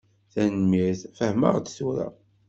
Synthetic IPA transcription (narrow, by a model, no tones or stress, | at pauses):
θænmiθfəhmə̰ʁd̪suɾa̰